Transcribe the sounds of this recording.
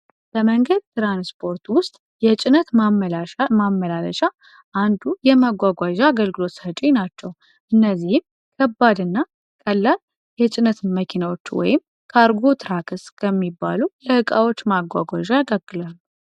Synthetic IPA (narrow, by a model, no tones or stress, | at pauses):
bəməŋɡəd̪̚t̪ʰɨɾanspʰo̞ɾt̪wʊst̪ʼ | jɛt͡ʃʼɪnət̪ | mamːəlaləʃa | ʔand̪ujɛmaɡʷaɡʷaʒaːɡəlɡɨlo̞t̪ət͡ʃʼinat͡ʃːɛw | ʔɨnːəzːihɪm | kʰəbːad̪ɨnːa | kʼəlːal | jɛt͡ʃʼɪnət̪ʰməkʰinawo̞t͡ʃːwɔ̰jɪm | kʰəaɾɡo̞t̪ʰɨɾakʰɨskʰəmːibːa̰lujɛhɨkʼawot͡ʃːmaɡʷa̰ɡʷa̰ʒaaɡəlɡɨlalːu